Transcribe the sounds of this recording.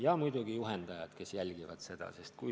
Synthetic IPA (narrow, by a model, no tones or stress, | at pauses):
jɑmujd̪uɡ̥ijuɦend̪ɑjɑd̪̥ke̞sjælʲɡ̥ivɑ̰d̪̥se̞d̪̥ɑ̰sest̪̚ku